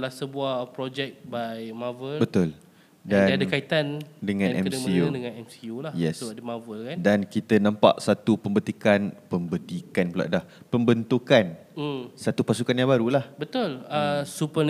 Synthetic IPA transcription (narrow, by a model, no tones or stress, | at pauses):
lahsəbuapɾɔd͡ʒɛk̚bajmavəlbət̪ʊl | daandakait̪andəŋãnʔɛmsiudəŋãnɛmsiulajɛsdəmavəlkandankit̪ənãmpa̰ʔsat̪upəmbət̪ikanpəmbət̪ikanpəla̰ʔdah | pəmbənt̪ukan | sat̪upasukanjãŋbaɾulahbət̪ʊləsupən